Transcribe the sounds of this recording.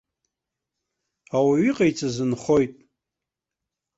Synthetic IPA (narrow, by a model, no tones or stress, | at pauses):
awaɥiqʼajt͡sʼazɨnχo̞jtʼ